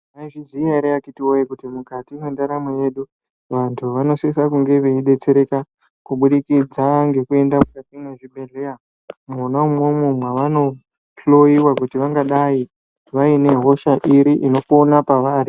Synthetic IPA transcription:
aiʐiziaiɾeakitiwojikutimukatiwendaɾameje̞ɗu | ʋantʰuʋano̞siisakuŋɡe̞ʋeiɗe̞t͡se̞ɾe̞ka | kuɓuɗikid͡zaŋɡe̞kue̞ndamukatineʐibʱe̞ɮeja | munaumwemumweʋano̞ | plo̞iwakutiʋaŋɡaɗai | ʋaine̞ɦo̞ʃaʔiɾiʔino̞konapaʋari

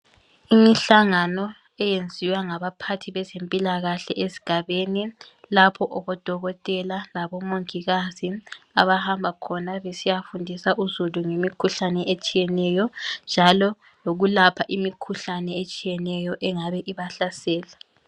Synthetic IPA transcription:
imiɬaŋanɔ | ɛjend͡zʱiwaŋaβapʰatʰiβɛzempʼilaɣaɬɛʔesi̥ɡ̥ʱaβeni | lapʰɔʔɔβɔd̥ʱɔɣɔtʼɛlalaβɔmoŋiɣazia̰βahambʱakʰɔnaβesijafundʱisaʔuzuluŋemikʰuɬanɛʔet͡ʃʼijɛnɛjɔnd͡ʒʱalɔ | loɣulapʰaʔimikʰuɬanɛet͡ʃʼijɛnɛjɔʔɛŋaβɛʔiβaɬasɛːla

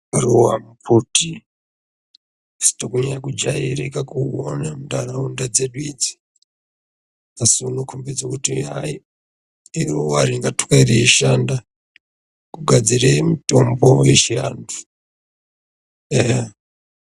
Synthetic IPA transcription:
ruwamupʰuti | si̥tokuɲakud͡ʒaiɾikakuwo̰namuɗaɾaundad͡zeɗwid͡zi̥ | asuunokʰumbed͡zokutia | iruwaɾiŋɡatukeiɾeiʃanda | kuɡʱad͡ziɾemitombojeʃia̰ntʰu̥ | eɦe

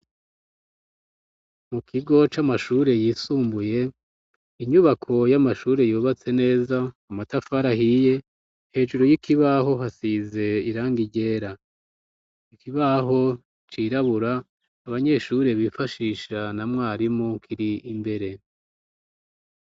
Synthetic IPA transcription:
mukʰiɡo̞t͡ʃamaʃuːɾe̞jiːsuːmbuje̞ | iɲuβakʰo̞jamaʃuːɾe̞juːβat͡se̞ne̞ːzaː | matafaɾahije̞ | he̞ːʒuɾojikiβaɦo̞ɦasize̞iɾaːŋɡiɟe̞ːɾa | ikiβaɦo̞ | t͡ʃiːɾaβuɾaː | βaɲe̞ʃuɾe̞βifaʃiːʃanamŋaːɾimokʰiɾiimbe̞ɾe̞

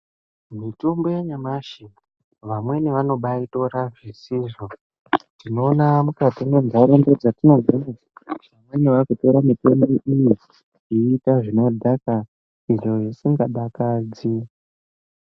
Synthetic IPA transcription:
mitombojeɲamaʃi | ʋamwe̞neʋano̞ɓaito̞ɾaʐisiʐo | tino̞ːnamukatinond͡zaɾondod͡zatino̞ɡʱaniaʋamwe̞neʋakuto̞ɾamitomboʔiji | iːtaʐino̞dʱaka | iʐo̞ʐisiŋɡaɓakad͡zi

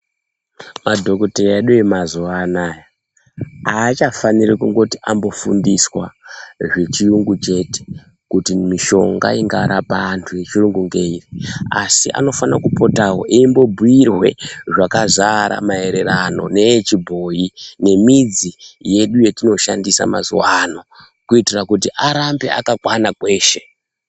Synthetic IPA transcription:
madʱo̞koteeɗuemazuʋaːnaːja | aːt͡ʃafanirikuŋɡo̞tiʔambo̞fundiswaʐe̞t͡ʃiuŋɡut͡ʃe̞te̥ | kutimiʃo̞̰ŋɡa̰iŋɡaɾapantʰuje̞t͡ʃiruŋɡuŋɡe̞iria̰siʔa̰no̞fanakupo̞tawo̞̰ʔiimbo̞bʱuirwe̞ʐakazaɾa̰mae̞ɾe̞ɾano̞̰ne̞jt͡ʃibʱo̞jine̞mid͡zije̞ɗuje̞tino̞ʃandisa̰ma̰zṵwano̞ | kuitirakutiʔaɾambea̰kakwanakwe̞ːʃe̞

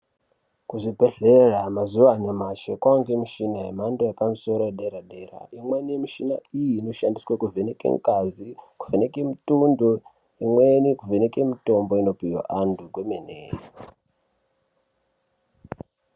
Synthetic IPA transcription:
kuʐibʱeɮeramazuʋanemaʃekwaŋɡemiʃinaɦemandojapamiso̞ɾojeɗeɾaɗeɾa̰imwenimiʃina̰ijino̞ʃandiswakuvʱenekḛŋkaziku̥venekemitundo | imwenikuvenekemito̞mbo̞ino̞pijo̰ʔandʱuɡwemenḛːri

